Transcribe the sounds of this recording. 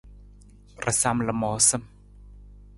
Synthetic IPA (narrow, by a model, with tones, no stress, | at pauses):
rʔə˨sa˧mlə˨mɔ˨˦sə˦m